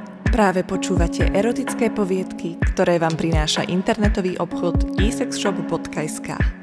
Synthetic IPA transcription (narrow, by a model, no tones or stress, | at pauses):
pɾaːʋɛpɔt͡ʃuːʋacɛ̰ʔɛɾɔt̪it͡skɛːpɔʋɪɛt̪kikt̪ɔɾɛːʋaːmpɾinaːʃa̰ʔint̪ɛɾnɛt̪ɔʋiːʔɔpxɔt̪iːsɛksʃɔbbɔt̪kajska̰ː